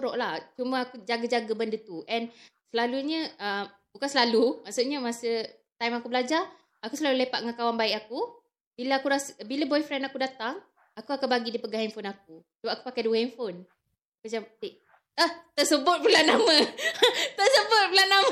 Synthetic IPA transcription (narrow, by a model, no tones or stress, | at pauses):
ɾɔʔlaht͡ʃuməakud͡ʒaɡad͡ʒaɡəbəndət̪uʔɛnsəlaluɲəəm | bukansəlalumaʔsuʔɲəmasə | t̪ajmakubəlad͡ʒa | akusəlalulepaʔ̪̚ŋankawanbaɪkaku | bilaakuɾasbilabɔjfɾɛnakudat̪aŋ | akuakabaɡidipəɡahɛnfonak̚usəbap̚aku̥pakaduwəɛnfon | kəd͡ʒamdeʔ | əht̪ərsəbʊt̪̚bulanːamə | t̪əsəbʊt̪̚bulanːam